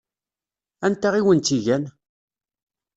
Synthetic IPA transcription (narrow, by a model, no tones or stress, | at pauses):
ænt̪aʁiwənt̪iʝæn